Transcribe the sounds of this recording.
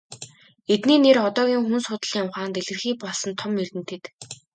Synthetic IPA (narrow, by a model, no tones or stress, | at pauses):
et̪niːnerɔt̪ɔːɣʲiːŋxunsʊːt̪ə̆ɮjamχaːnt̪eɮɘ̆rxiːk̚pɔɮsɞ̆nt̪ʰɔmjert̪ɘ̆nt̪ʰĕt̪